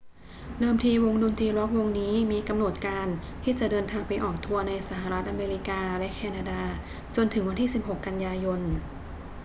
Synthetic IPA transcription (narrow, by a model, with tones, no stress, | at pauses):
dɤː˧mt̪ʰiː˧wo˧ŋdu˧mt̪ʰiː˧ɾɔ˦˥k̚wo˧ŋniː˦˥miː˧ka˧mno˨˩t̪̚kaː˧nt̪ʰiː˥˩t͡ɕa˨˩ʔdɤː˧nt̪ʰaː˧ŋpa˧jʔɔː˨˩k̚t̪ʰu˧ɐna˧jsa˧˩ɦa˨˩ɾa˦˥t̪ʔa˧meː˧ɾi˦˥kaː˧lɛ˦˥ʔkʰɛː˧naː˧daː˧ | t͡ɕo˧nt̪ʰɯ˩˦ŋwa˧nt̪ʰiː˥˩si˨˩p̚ɦo˨˩kːa˧njaː˧jo˧n